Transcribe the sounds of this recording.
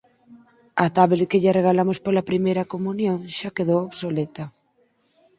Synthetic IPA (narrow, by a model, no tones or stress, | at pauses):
ɐt̪aβlekeʎareɣ̞alamospolɐpɾimejɾɐkomunjoŋʃakeðowoβsolet̪ɐ